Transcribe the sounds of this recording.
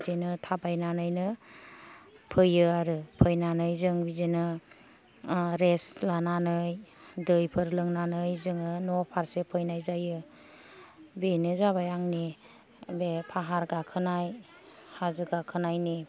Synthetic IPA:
zenɯtʰabajnanɯjnɯ | pʰɯjɯaɾɯpʰɯjnanɯjzɯŋbizenɯ | ɾeslananɯjdɯjpʰɯɾlɯŋnanɯjzɯŋɯnɔpʰaɾsepʰɯjnajzajɯ | benɯzabajaŋni | bepʰaɦaɾɡakʰɯnaj | hazɯɡakʰɯnajni

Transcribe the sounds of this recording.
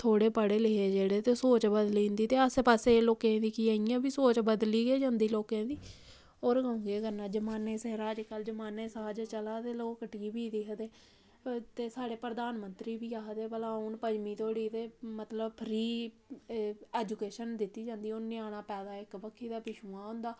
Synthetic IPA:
t̪ʰoːɽeːpəɽeːleːeːd͡ʒeːɽeːt̪eːsoːt͡ʃbəd̪lĩːnd̪iːt̪eːəsepaːseːloːkẽːd̪iːkiːaːijãːbiːsoːt͡ʃbəd̪liːɡeːd͡ʒãːnd̪iːloːkẽːd̪iː | oːɾɡaʊ̃ŋɡeːɡənãːd͡ʒəmaːneːseːɾaːd͡ʒkəld͡ʒəmaːneːsəaːd͡ʒt͡ʃəlaːt̪eːloːkəʈɡiːbiːd̪iːɦəd̪eː | t̪eːsaːɽeːpɾəd̪aːnmənt̪ɾiːbiːaːɦəd̪eːbəlãːʊnpəd͡ʒmiːt̪oːɽiːt̪eːmət̪ləbpʰɾiː | ɛːd͡ʒuːkeːʃənd̪ɪt̪ːiːd͡ʒãːnd̪iːʊniaːɽ̃ãːpɛːd̪aːɪkbəkʰːiːd̪aːpɪʃuːãːɦʊ̃nd̪aː

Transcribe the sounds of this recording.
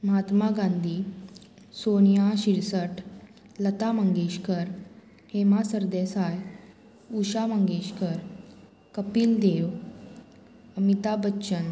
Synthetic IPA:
mɦat̪maɡãnd̪ʱiː | sonjaɕiɾsəʈ | lət̪aməŋɡeɕkəɾ | hemasəɾd̪esaj | uɕaməŋɡeɕkəɾ | kəpiːld̪eʋ | əmit̪abəːɕən

